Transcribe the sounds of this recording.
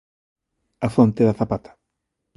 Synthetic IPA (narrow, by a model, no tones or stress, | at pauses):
afont̪eðaθapat̪ḁ